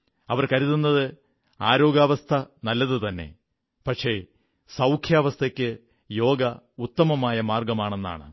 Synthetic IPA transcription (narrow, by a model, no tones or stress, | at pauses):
ɐʋɐrkɐɾiðunːɐðɨ | aːɾo̞ːɡaːʋɐst̪ʰɐnɐlːɐðɨt̪ɐnːe̞̰ | pɐʈʂe | sɐwkʰjaːʋɐst̪ʰɐkʲːɨ | jo̞ːɡɐut̪ːɐmɐmaːjɐmaːrɡɐmaːɳe̞nːa̰ːɳɨ